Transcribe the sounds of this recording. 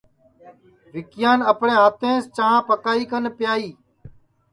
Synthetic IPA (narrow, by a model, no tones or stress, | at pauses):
ʋɪkjaːnəpɳẽːɦət̪ẽːst͡ʃəːãːpəkaːiːkənpjaːiː